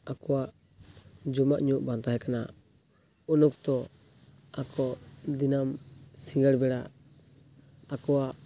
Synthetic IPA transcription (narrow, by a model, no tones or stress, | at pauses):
akɔwaʔ | d͡ʒɔmaʔɲuʔbant̪aɦɛkana̰ | unuk̚t̪ɔ | akʰɔd̪inamsiŋɡaɽbɛɽa | akɔwaʔ